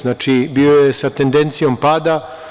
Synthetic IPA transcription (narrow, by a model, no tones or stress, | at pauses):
naːt͡ʃibiːojesat̪e̞nd̪e̞nt̪sijo̞mpaːd̪a